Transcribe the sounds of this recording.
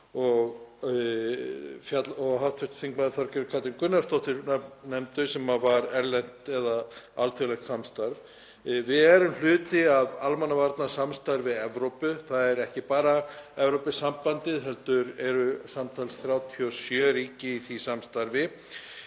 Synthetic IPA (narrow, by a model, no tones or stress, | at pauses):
ɔɣ | fjat̪lɔɣɦawt̪fʏht̪θiŋkmaðɪθaɾcɛɾʏkʰat̪ɪŋkʏnːast̪oht̪ɪɾnɛmt̪ʏsɛmavaɾɛɾlɛn̥t̪ɛðaalt̪ʰʏlɛxt̪samst̪aɾv | vɪðɛɾʏml̥ʏːt̪ɪavalmanːavaɾt̪nasamst̪aɾvɪðɛvɾowpʏθaðɛɾɛhcɪpaːɾaɛvɾowpɪsːampant̪ɪðɦɛlt̪ʏɾɛɾʏsamt̪ʰaːlsθɾjaːwt̪ʰiɔsjœːɾiːcɪiθisamst̪aɾvɪ